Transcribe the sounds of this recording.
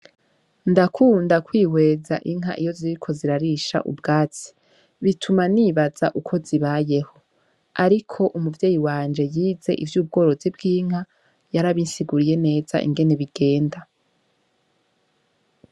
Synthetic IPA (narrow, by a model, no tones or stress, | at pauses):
ndakʰuːndakwiːwe̞ːza̰ʔiŋ̥ɦa̰ʔijo̞ziiɾikʰo̞ziɾaɾiʃa̰ʔṵbɡaːt͡si̥ | βitʰumaniːβazaʔukʰo̞ziβaje̞ho̞ | aɾikʰo̞ʔumuvje̞ːjiwaːnd͡ʒe̞jiːze̞̰ʔḭvjuːb̚ɡo̞ːɾo̞zib̚ɡiːŋ̥ha | jaɾaβinsiɡuɾije̞ne̞ːza̰ʔḭŋɡe̞ne̞βiɡ̥e̞ːnda